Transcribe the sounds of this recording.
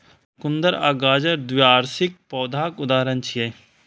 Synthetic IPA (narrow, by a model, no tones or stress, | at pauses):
kʊnd̪əɾaːɡaːd͡ʒəɾd̪ʋijaːɾsɪk̚pɔːd̪ʱaːkʊd̪aːɾənt͡ʃʰije